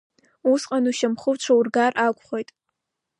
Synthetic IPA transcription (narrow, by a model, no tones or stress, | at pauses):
usqʼanuʃamχəvt͡ʃʷʰaurɡarʔakʷʼχʷojtʼ